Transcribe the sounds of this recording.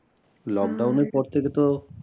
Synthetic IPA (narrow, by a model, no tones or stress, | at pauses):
lɔkɖawneɾpɔɾt̪ʰeket̪o